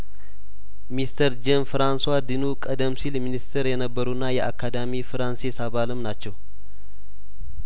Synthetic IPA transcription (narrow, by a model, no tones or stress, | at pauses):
mist̪ʰəɾd͡ʒɛnfɨɾanswad̪ɨnukʼəd̪əmsilminist̪ʰəɾjɛnəbːəɾunːajɛʔakʰːad̪amifɨɾansesaβalɨmnat͡ʃːɛw